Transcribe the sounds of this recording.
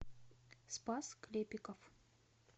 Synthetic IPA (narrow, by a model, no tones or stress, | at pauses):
spasklʲepʲɪkəf